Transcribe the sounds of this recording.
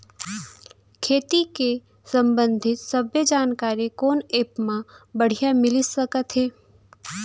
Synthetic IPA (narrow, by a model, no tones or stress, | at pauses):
kʰeːt̪ike | sə̃mbə̃nd̪ʱɪt̪səbjəd͡ʒaːnkaːɾikoːneːpmãbəɽ̤ijamɪlisəkət̪ɦeː